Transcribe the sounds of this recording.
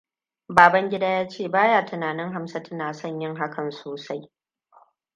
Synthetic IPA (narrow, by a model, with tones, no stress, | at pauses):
baː˨bɐ˦ŋɡʲɪ˦daː˦jaː˦t͡ʃeː˦˨baː˦jaː˦˨tʊ˨naː˨nɪ˦ŋɦa˦msa˦tʰɐ˦naː˨sɔ˦˨ɲjɪ˦ŋɦa˦kʰɐ˨nsoː˨sa˦j